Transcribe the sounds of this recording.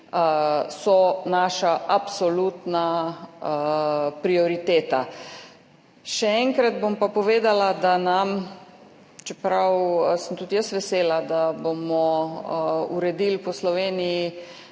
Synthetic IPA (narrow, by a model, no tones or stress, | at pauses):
sɔnaːʃaʔapsɔlut̪na | pɾiɔɾit̪eːt̪a | ʃɛɛŋkɾad̪bompapɔʋeːd̪alad̪anam | t͡ʃɛpɾawsənt̪ut̪jəst̪ʋɛseːlad̪abomɔ | uɾɛd̪ilpɔslɔʋeːniji